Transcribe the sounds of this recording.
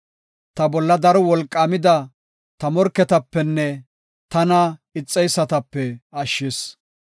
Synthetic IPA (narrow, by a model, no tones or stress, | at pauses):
t̪ɐbɔlːɐd̪ɐɾɔwɔlkʼːaːmɪd̪ɐ | t̪ɐmɔɾkːɛt̪ɐpːɛnːɛ | t̪ɐnɐɪt͡sʼːɛjsːɐt̪ɐpːɛɐʃːɪs